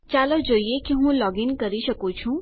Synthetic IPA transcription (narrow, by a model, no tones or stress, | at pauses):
t͡ʃaləd͡ʒoːijekiɦũːlɔːɡiŋkəɾiʃəkũt͡ʃʰũ